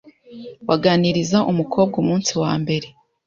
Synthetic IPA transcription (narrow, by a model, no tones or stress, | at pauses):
waɡaːniɾizaʔumukʰo̞ːb̚ɡumuːnsiwa̰ːmbe̞ɾe̞